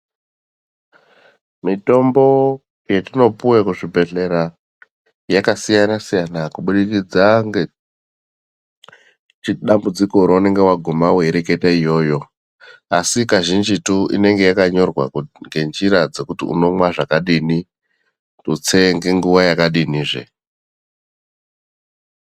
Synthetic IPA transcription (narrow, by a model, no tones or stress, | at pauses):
mito̞mbo̞ | jetino̞puwekuʐibʱe̞ɮe̞ɾa | jakasijanasijanakuɓuɗikid͡zaŋɡe | t͡ʃiɗambud͡ziko̞ɾoune̞ŋɡe̞waɡʱumaweiɾe̞ke̞taijo̞ːjo̞ | asikaʒind͡ʒituḭne̞ŋɡe̞jakaɲo̞rwa̰ŋɡe̞nd͡ʒiɾad͡ze̞kutiṵno̞mwaʐakaɗini | tut͡seŋɡeŋɡuwajakaɗiniːʐḛ